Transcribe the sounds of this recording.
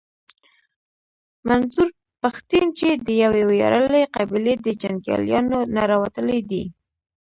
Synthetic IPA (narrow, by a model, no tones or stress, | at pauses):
manzuɾ | paxt̪int͡ʃed̪əjawewjɑ̰ɾəleqɑbiled̪əd͡ʒaŋɡjɑ̰ljɑnonaɾɑwat̪əled̪i